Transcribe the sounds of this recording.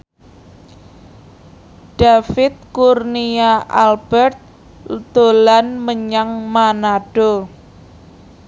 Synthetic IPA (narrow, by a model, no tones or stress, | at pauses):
ɖ̥afɪt̪̚kurniaʔalb̥ɛrt̪̚ | d̪̥o̤lanməɲaŋmanaɖ̥o